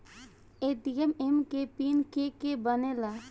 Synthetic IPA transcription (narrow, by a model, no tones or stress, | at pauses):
eʈiememkepinkekebənela